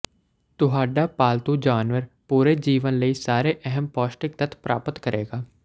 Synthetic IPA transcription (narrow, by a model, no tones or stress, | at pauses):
t̪ʊɦaːɖaːpaːlt̪uːd͡ʒaːnʋəɾpuːɾeːd͡ʒiːʋənləiːsaːɾeːʔɛɦɛmpɔːsʈɪk̚t̪ət̪ʰpɾʔaːpət̪kəɾʔeːɡaː